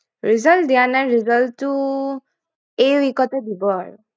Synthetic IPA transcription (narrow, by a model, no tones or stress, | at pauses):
ɹizɔltd̪ianaɾizɔltːu | ejwikɔted̪ibɔaɹu